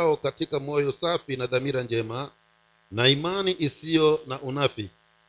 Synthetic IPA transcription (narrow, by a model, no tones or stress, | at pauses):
ɔkatikamɔjɔsafinaðamiɾand͡ʒɛma | naimaniʔisijɔnaʔunafi